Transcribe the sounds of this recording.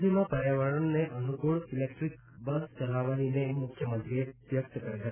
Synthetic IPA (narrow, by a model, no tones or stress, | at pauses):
d̪ʱimapəɾjaʋaɾəɳneʔənukuɭilek̚ʈɾik | bəstəlaʋaɦinemukʰjəmənt̪ɾiebjək̚t̪əkəɾiɦət̪